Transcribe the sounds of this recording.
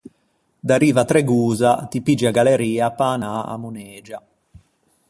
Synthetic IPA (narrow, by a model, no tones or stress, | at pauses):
d̪aɾiːvat̪ɾɛɡuːzat̪ipid͡ʒiaɡalɛɾiːapaːnaa̰munɛːd͡ʒa